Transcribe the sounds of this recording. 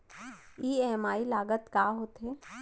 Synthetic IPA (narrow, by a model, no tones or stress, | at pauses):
iːɛːmaːilaːɡət̪kaːɦoːt̪ɦeː